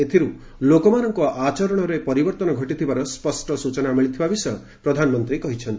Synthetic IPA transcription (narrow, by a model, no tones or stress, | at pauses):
et̪ʰiɾu | lokɔmanɔŋkɔʔat͡ʃɔɾɔɽ̃ɔɾepɔɾibɔɾt̪ɔnɔɡʱɔʈit̪ʰibaɾɔspɔsʈɔsut͡ʃɔnamiɭit̪ʰibabisɔɔj | pɾɔd̪ʱanɔmɔnt̪ɾikɔɦit͡ʃʰɔnt̪i